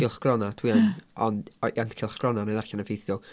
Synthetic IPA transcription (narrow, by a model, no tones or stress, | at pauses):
ɪlˠχɡ̥rɔnadʰwianɔnantʰkʰɪlˠχɡ̥rɔnaneðarɬanəvejθʊlˠ